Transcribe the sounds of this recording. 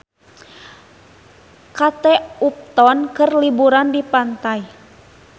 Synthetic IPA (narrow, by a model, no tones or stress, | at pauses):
kat̪ɛup̚t̪ɔnkɨrlibuɾandipant̪aj